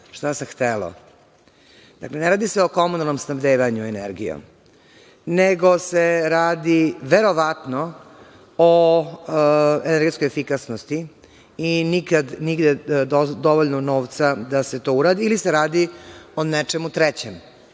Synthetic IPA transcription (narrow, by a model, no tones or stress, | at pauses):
ʃt̪asamxt̪elo̰ | d̪̥akle̞neɾaːd̪iseo̞ko̞munalˠnomsnabd̪eːʋaɲuenḛɾɡḭjo̰m | neɡo̞seɾaːd̪iʋeɾo̞ʋat̪no | o | eneɾɡe̞t̪sko̞jefikasnost̪iː | nikad̪niɡd̪ed̪oʋoʎnonoːʋt̪sad̪ase̞t̪o̞uɾaːd̪iːliseɾaːd̪ionet͡ʃemut̪ɾɛt͡ɕem